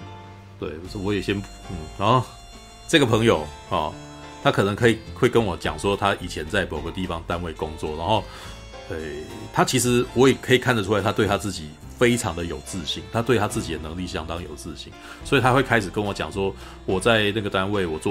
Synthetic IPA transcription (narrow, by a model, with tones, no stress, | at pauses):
t̪we˥˩ɪ˥wɔ˧˥jɛ˨˩ɕjɛ˦n | n̩˥˩na˧˦nxo˥˨˩ʊ | ʈ͡ʂɤ˥˩ɡə˩pʰɤ˧˥ŋjo˨˩ʊ | hɑ˨˩ | t̪ʰa˦˥kʰɤ˨˩nɤə˧˥ŋkʰɤ˧˥i˨˩xwe˥˩ɪkə˦nwɔ˨˩˦t͡ɕjɑ˨˩ŋʂwɔ˥t̪ʰa˦ʔi˨˩t͡ɕʰjɛ˧˦nt͡sa˥˩ɪmo˨˩ʊɡə˦t̪i˥˨˩fɑ˦ŋt̪a˦nwe˥˩ɪkʊ˦˥ŋt͡swɔ˥˨˩na˧˦nxo˥˧ʊ | e˥˩ɪt̪ʰa˥t͡ɕʰi˧˥ʂ̬ɻ̩˧˥wɔ˦˥jɛ˨˩kʰɤ˧˥i˨˩kʰa˥˩nd̪ə˩ʈ͡ʂʰu˥a˧ɪt̪ʰa˥t̪we˥˩ɪt̪a˥t͡sɹ̩˥˩t͡ɕi˨˩ | fe˥ɪʈ͡ʂʰɑ̰˧˦ŋd̪ə˨jo˨˩ʊt͡sɹ̩˥˧ɕi˥˩ŋt̪ʰa˦t̪we˥˩ɪt̪ʰa˥t͡sɹ̩˥˩t͡ɕi˨d̪ə˦nə˧˦ŋli˥˨˩ɕjɑ˦ŋt̪ɑ˦ŋjo˨˩ʊt͡sɹ̩˥˧ɕḭ˥˩ŋ | swɔ˧˥i˨˩t̪ʰa˦xwe˥˩ɪkʰa˥ɪʂɻ̩˨˩kə˦nwɔ˧˦t͡ɕjɑ̰˨˩ŋs̬wɔ˥ | wɔ˨˩t͡sa˥˧ɪna˥˩ɡə˩t̪a˦˥nwe˥˩ɪwɔ˨˩t͡swɔ˥˨